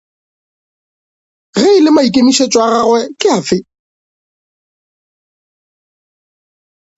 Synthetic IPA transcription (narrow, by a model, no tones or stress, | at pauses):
ɣeɪlɪmaikʼemiʃet͡ʃʼwaɣaɣwɛkʼɪafɪ